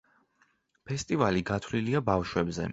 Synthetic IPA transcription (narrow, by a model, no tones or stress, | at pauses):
pʰɛst̪ʼivaliɡat̪ʰwliliabafʃwɛbzɛ̰